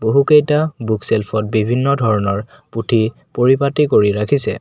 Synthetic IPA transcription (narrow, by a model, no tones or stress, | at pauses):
boɦukejtabukselpʰɔt̚bibʱinːɔdʱɔɹɔnɔɹ | putʰi | poɹipatikoɹiɹakʰisɛ̰